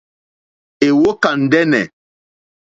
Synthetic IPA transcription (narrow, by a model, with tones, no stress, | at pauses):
e˨wo˦ka˨n̩˨dɛ˦nɛ˨